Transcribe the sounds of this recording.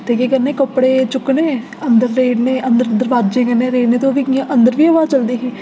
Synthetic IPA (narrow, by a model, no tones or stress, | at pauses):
t̪eːkeːkəɾneːkəpːɽeːt͡ʃʊkneː | ənd̪əɾːeːɖneːənd̪əɾd̪əɾʋaːd̪d͡ʒẽːkəɾneːɾeːɖneːt̪̬õːʋiːkiãʔənd̪əɾʋiːəʋaːt͡ʃəld̪iːɦeː